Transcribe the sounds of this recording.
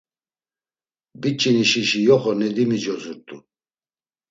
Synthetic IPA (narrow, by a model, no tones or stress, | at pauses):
bit͡ʃʼiniʃiʃijɔχɔnɛd̪imid͡ʒɔzuɾt̪ʼṵ